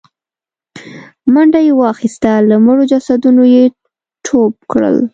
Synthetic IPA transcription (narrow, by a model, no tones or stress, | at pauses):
maɳɖajewəɑxist̪aləməɽod͡ʒasad̪unoje | ʈʰob̚kɽə̰l